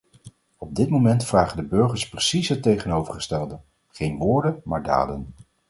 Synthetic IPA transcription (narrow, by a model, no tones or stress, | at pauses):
ɔb̚dɪtmomɛntfraːχəndəbɵɹχəɹsprəsisətejχənowvərχəstɛlˠdə | χejnʋʊːɹdənmaːɹda̰ːdə̰n